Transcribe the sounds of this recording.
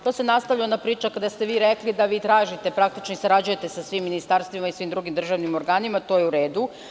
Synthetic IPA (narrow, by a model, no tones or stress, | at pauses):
t̪osenast̪aʋʎaonapɾiːt͡ʃakad̪ast̪e̞ʋiːɾe̞klid̪aʋiːt̪ɾaːʒit̪e̞pɾak̚t̪it͡ʃnoisaɾad͡ʑuje̞t̪e̞sasʋimːinist̪aɾst̪ʋimaisʋiːmd̪ɾuɡimd̪r̩ʒaːʋnimo̞ɾɡaːnimat̪o̞jeuɾe̞ːd̪u